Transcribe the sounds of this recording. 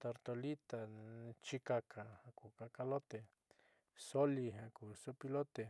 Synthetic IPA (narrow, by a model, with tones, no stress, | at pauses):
t̪o˧ɾt̪o˧li˦t̪a˨t͡ʃi˦ka˧kʰa˨ha˧ku˨ka˧ka˧lo˦t̪e˨ | so˦li˧ɦa˧ku˨su˦pi˧lo˦t̪e˨